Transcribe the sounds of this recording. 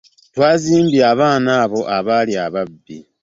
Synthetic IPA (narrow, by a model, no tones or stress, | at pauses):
twaːziːmbiaβaːnaːβo̞ʔaβaliaβabːi